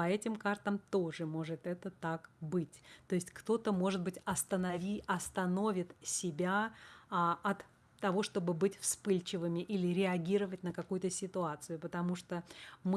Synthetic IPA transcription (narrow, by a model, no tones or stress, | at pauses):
pɐɛtʲɪmkart̪əmt̪o̞ʐɨmo̞ʐɨt̪ɛt̪ət̪akbɨtʲt̪o̞ɪsʲtʲkt̪o̞t̪əmo̞ʐɨt̪̚bɨtʲɐst̪ənɐvʲiɐst̪ɐno̞vʲɪt̪sʲɪbʲa | ɐt̪ː | ɐvo̞ʂt̪o̞bɨbɨtʲfspɨlʲt͡ɕɪvɨmʲɪʔilʲɪɾʲɪɐɡʲiɾəvətʲnəkɐkujʊt̪əsʲɪt̪ʊat̪sɨjʊpət̪ɐmuʂt̪omɨ